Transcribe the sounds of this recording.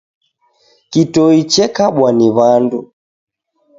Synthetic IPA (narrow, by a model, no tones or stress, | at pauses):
kitɔit͡ʃɛkaɓwaniβandu